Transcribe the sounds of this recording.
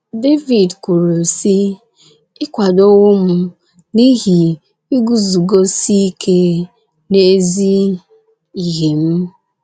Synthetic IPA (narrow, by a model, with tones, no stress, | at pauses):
de˦vi˨dku˨ɾo˨si˦ | ɪ˦kʷa˨do˦wʊ˦m̩˦ | ni˦ɦi˨ | i˦ɡu˨zu˨ɡo˦si˦kʰe˦ | ne˦zi˦ | i˨ɦe˨m̩˦